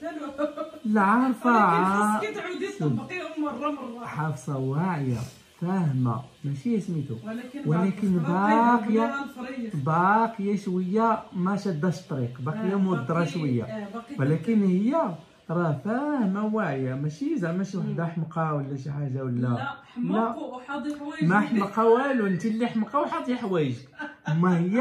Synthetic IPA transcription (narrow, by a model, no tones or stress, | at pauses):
lʕɑɾˤfaʕa | ħɑfsˤɑwaʕja̰ | fæhəma̰ | mæʃijæsmit̪uwlækənbɑqja | bɑqəjaʃwəjːamæʃɑd̪ːɑʃt̪ˤːɾiqbɑqjːamud̪ːɾˤɑʃwəjːa̰wlækənhəjːa | ɾˤɑfæhmawaʕjamæʃizæmæʃiwħd̪aħmqɑwəlːæʃ̬iħaʒawəlːæ | lːæ | mæħmqɑwæluənt̪ilːiħmqɑwħɑt̪ˤjaħwæjəʒəkmːæhəjːa